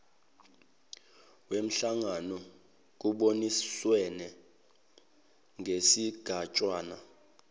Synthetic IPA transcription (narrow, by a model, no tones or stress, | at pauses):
wem̩ɬaŋanɔ | k̬ʼuɓoniswɛnɛ | ŋʱesiɡ̥ʱat͡ʃʼwaːna̰